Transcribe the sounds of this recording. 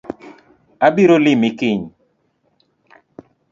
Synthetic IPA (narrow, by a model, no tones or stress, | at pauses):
abiɾolɪmɪkɪɲ